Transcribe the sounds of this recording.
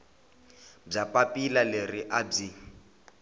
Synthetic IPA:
b͡ʐapʼapʼilaleriʔab͡ʐi

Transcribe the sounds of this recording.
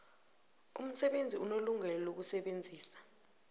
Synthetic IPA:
ṵm̩sɛɓend͡zʱiunoluŋɛlɔlok̬usɛɓend͡zʱiːsḁ

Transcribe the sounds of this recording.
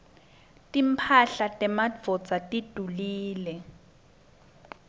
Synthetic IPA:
tʼimpʰaɬatʼɛmad͡vʱɔ̥t͡satʼid̥ʱuliːlɛ

